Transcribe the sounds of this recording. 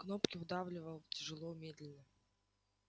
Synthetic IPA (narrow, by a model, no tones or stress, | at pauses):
knopkʲɪvɨd̪avlʲɪvəlˠtʲɪʐɨlˠomʲed̪ʲlʲɪnə